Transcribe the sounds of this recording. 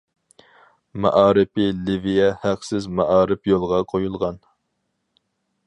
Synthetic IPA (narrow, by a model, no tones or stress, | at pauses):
mɛ̰ʔɑːɾɪpɪlɪvijɛhæqsɪzmɑʔɑːɾɪpjolˠʁɑqʰojulˠʁɑn